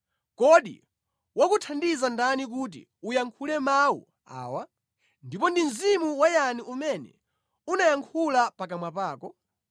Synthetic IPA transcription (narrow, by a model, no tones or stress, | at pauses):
kɔɗḭ | wakutʰandizandanik̬ut̬ḭ | ujaŋkʰulɛmawṵ | a̰ːwa | ndipɔndin̩zimuwajaniumɛnɛ̰ | unajaŋkʰulapakamwapaːkɔ